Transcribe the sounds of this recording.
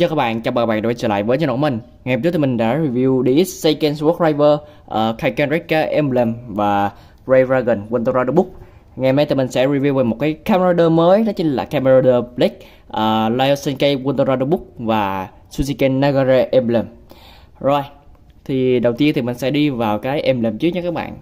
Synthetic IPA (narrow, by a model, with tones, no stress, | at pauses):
t͡ɕɔː˧˩kaː˦˥ɓa̰ː˧˨nt͡ɕaː˧˩ɓaː˨˧˨k̚ːɓaː˧˨˧t͡ɕəː˧˩la̰ː˧˨jvəː˨˦jɲə˧no̰˧˩mï˨˩ŋ̟ | ŋa˨˧˩t͡ɕu˦˥t̪ʰmï˨˩ŋ̟ɗa̰ː˧˥ɹi˨˧˩vi˧wɗi˧i˦sə˧kɛ˧nswɔ˦˥k̚vaː˧jvəː˧ | ʔəː˨˩kʰa˧jka˧nɹi˦˥kka˧ʔɛ˧mblə˨˩mvaː˨˩ | ɹə˧jɹaː˧ɣə˨˩nwə˧nt̪ə˧ɾa˧ɗə˧ɓʊ˦˥k̚ | ŋɛ˧m˧˨˦jt̪i˨˩mï˨˩ŋ̟sɛ̰˧˥ɹi˨˩vi˧wveː˨˩mo˨˩t̚kaː˨˦jka˧mə˧a˧ɗəː˧məː˨˦jɗɔ˨˦t͡ɕi˨˦ŋ̟la̰ː˨˩ka˧mə˧a˧ɗəː˧bli˦˥k̚ | ʔəː˨˩laː˧jo˧sə˧nkə˧jwu˧nt̪ə˧za˧jɗə˧ɓʊ˦˥k̚vaː˨˩ | su˧zi˧kɛ˧nːa˧ɣa˧zɛ˧ʔɛ˧mblə˨˩m | zo˨˩j | t̪ʰi˨˩ɗə˨˩wt̪i˧ənt̪ʰi˨˩mï˨˩ŋ̟sɛ̰˧˥ɗi˧vaː˨˩wkaː˨˦jʔɛ˧mle˨˩mt͡ɕɨ˦˥k̚ɲ˧˦kaː˦˥k̚ɓa̰ː˧˨nʔ